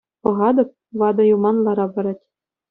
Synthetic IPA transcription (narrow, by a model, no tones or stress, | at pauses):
pɤ̆ʁɑd̪ɤ̆p̚ʋɑd̪ɤ̆jumɑnlˠɑɾɑbɤ̆ɾɑtʲ